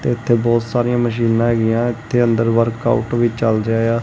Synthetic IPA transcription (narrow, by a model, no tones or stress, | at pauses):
t̪eːɪt̪ʰːeːbɔːt̪saːɾɪjãːməʃiːnãːɦɛːɡɪjãːɪt̪ʰːeːə̃nd̪əɾʋəɾka̰ːʊʈʋiːt͡ʃəld͡ʒaːjaː